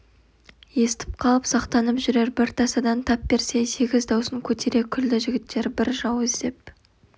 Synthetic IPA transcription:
je̞st̪ɪ̥p̚qʰɑlˠəpsɑqt̪ɑnəpʒʏɾe̞ɾbɪɾt̪ʰɑsɑd̪ɑnt̪ʰɑpbe̞ɾse̞se̞ɡʲɪzd̪ɑwsəŋkʲʰɵt̪ʰeɾe̞kʲʰʏld̪ɪʒɪɡʲɪt̪ːe̞ɾbɪɾʒɑwezd̪e̞p̚

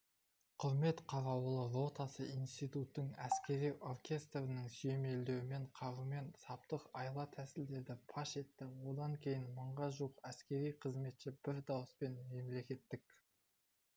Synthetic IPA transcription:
qʰʊɾme̞t̪qʰɑɾɑwəlˠəɾo̞t̪ɑsəinst̪ijt̪ut̪ːəŋæskʲe̞ɾijʔo̞rkʲʰe̞st̪rənəŋsyje̞me̞ld̪e̞wɪme̞ɴqʰɑɾume̞nsɑp̚t̪əqɑjlˠɑt̪ʰæsɪld̪e̞ɾd̪ɪpʰɑʃe̞t̪ːɪwo̞d̪ɑŋkʲʰe̞jɪnməɴʁɑʒuəqæskʲe̞ɾijqʰəzme̞t̪ʃɪb̥ɪɾd̪ɑwəspe̞nme̞mle̞kʲe̞t̪ːɪkʲ

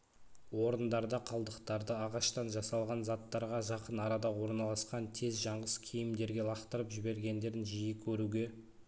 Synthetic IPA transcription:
wo̞ɾənd̪ɑɾd̪ɑqʰɑlˠd̪əqt̪ɑɾd̪əɑʁɑʃt̪ɑnʒɑsɑlˠʁɑnzɑt̪ːɑɾʁɑʒɑqənɑɾɑd̪ɑwo̞ɾnɑlˠɑsqɑnt̪ʰe̞zʒɑɴʁəskʲʰijɪmd̪e̞ɾɡʲe̞lˠɑqt̪əɾəpʒɪbe̞ɾɡʲe̞nd̪e̞ɾɪnʒijɪkʲʰɵɾuɡʲe̞

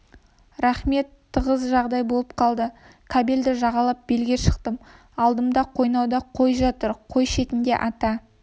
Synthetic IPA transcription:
ɾaχme̞t̪ʰːəʁəzʒɑʁd̪ɑjbo̞lˠəp̚qʰɑlˠd̪ə | kʰabeld̪ɪʒɑʁɑlˠɑp̚be̞lɡʲeʃə̥qt̪əm | ɑlˠd̪əmd̪ɑqʰo̞jnɑwd̪ɑqʰo̞jʒɑt̪əɾqʰo̞jʃe̞t̪ɪnd̪e̞̰ʔɑt̪ɑ

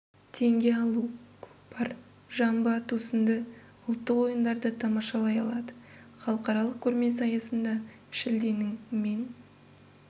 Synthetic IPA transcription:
t̪ʰe̞ŋɡʲe̞ɑlˠukʲʰɵ̥pbɑɾ | ʒɑmbət̪ʰusənd̪ə | ʊlˠt̪ːəqwo̞jənd̪ɑɾd̪ət̪ʰɑmɑʃɑlˠɑjɑlˠɑd̪ə | χɑlˠəqɑɾɑlˠəq̚kʲʰɵɾme̞s̬ɑjɑsənd̪ɑ | ʃɪld̪e̞nɪŋme̞n

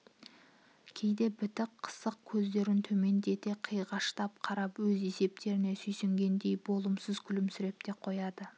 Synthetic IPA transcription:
kʲʰe̞jd̪e̞bʏt̪ɪqqʰːə̥səq̚kʲʰɵzd̪e̞ɾɪnt̪ʰɵme̞nd̪e̞t̪eqʰəjʁɑʃt̪ɑp̚qʰɑɾɑpwɵze̞se̞p̚t̪e̞ɾɪne̞sɵjseŋɡʲe̞nd̪e̞jbo̞lˠəmsəzkʲʰʏlɪmsɪɾe̞p̚t̪e̞qʰo̞jɑd̪ə

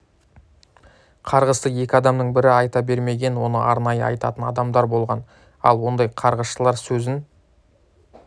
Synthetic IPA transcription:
qʰɑɾʁəsəje̞kʲɪɑd̪ɑmnəɴbɪɾɪɑjt̪ɑbe̞ɾme̞ɡʲe̞nwo̞nə̰ʔɑɾnɑjəɑ̰jt̪ɑ̰t̪ənɑd̪ɑmd̪ɑɾbo̞lˠʁɑn | ɑ̰lˠwo̞nd̪ɑjqʰɑɾʁəsʃəlˠɑɾsɵzɪn

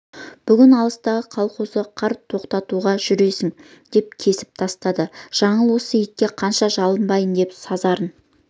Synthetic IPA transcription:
b̥ʏɡʲɪnɑlˠəst̪ɑʁəqʰɑlˠqusəqʰɑɾtt̪ʰo̞qt̪ɑt̪uʁɑʒʏɾe̞sɪŋ | d̪e̞p̚kʲʰe̞sɪ̥p̚t̪ʰɑst̪ɑd̪əʒ̥ɑɴəlˠwo̞səjɪkʲːe̞qʰɑnʃɑʒɑlˠənbɑjənd̪e̞psɑzɑɾən

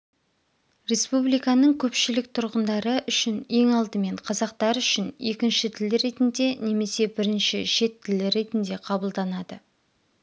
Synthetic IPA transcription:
ɾe̞spublijkɑnəɴkʲʰɵpʃɪlɪk̚t̪ʰʊɾʁənd̪ɑɾəʔʏʃɪne̞ŋɑlˠd̪əme̞ɴqʰɑzɑq̚t̪ɑɾʏʃɪne̞kʲɪnʃɪt̪ʰɪlɪɾe̞t̪ɪnd̪e̞ne̞me̞se̞bɪɾɪnʃɪʃe̞t̪ʰːɪlɪɾe̞t̪ɪnd̪e̞qʰɑbəlˠd̪ɑnɑd̪ə

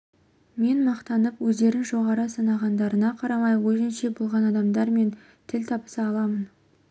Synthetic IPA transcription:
me̞nmɑqt̪ɑnəpwɵzd̪e̞ɾɪnʒo̞ʁɑɾəsənɑʁɑnd̪ɑɾənɑqʰɑɾɑmɑjwɵzɪnʃe̞bolˠʁɑnɑd̪ɑmd̪ɑɾme̞n | t̪ʰɪlt̪ʰɑpə̥sɑɑlˠɑmən

